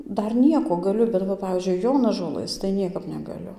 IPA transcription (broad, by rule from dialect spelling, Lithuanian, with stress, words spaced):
ˈdɐr ˈnʲiɛkoː ɡɐˈlʲʊ bʲɛt ʋɐ ˈpɑːʋʲiːzʲd͡ʒʲʊɪ ˈjoːnɐʒoːlˠɘs tɐɪ ˈnʲiɛkɐp nʲɛɡɐˈlʲʊ